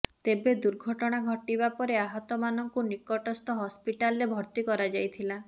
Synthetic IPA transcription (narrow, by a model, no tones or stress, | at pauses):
t̪ebed̪uɾɡʱɔʈɔɽ̃aɡʱɔʈibapɔɾeaɦɔt̪ɔmanɔŋkunikɔʈɔst̪ɔɦɔspiʈalɔɾebʱɔɾt̪ikɔɾad͡ʒajt̪ʰila